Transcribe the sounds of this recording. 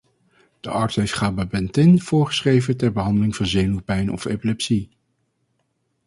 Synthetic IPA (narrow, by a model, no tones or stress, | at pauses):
d̥ə̰ʔɑɹtsɛɪsχaːbəbɛntɪnv̥ʊːɹχə̥sχrejvətɛɹbəɦɑndəlɪŋvɑnzejnupɛjnɔ̰fḛpilɛpsi